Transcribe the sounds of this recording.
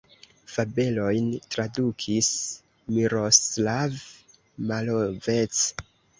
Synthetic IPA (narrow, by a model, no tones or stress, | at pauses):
fabe̞lo̞jntɾadukʰis | miɾoslav | malovet͡s